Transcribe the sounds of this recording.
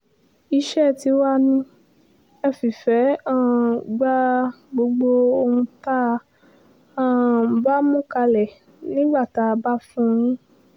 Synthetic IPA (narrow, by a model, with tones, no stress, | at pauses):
i˧ʃɛ˦˨ti˧wa˦nĩ˧ | ɛ˧˨fi˨fɛ˨˦ã˦˨ɡ͡ba˦ | ɡ͡bo˧˦ɡ͡bo˧o˧hũ˧ta˦ | ã˦˨ba˦mũ˦ka˧lɛ˨ | nĩ˦ɡ͡ba˦˨ta˧˦˧ba˦fũ˦˧ɾ̃ũ˦